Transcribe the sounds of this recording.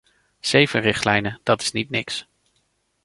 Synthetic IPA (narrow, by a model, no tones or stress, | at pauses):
z̥ejvənrɪχtlɛjnəd̥ɑtɪ̥snitnɪks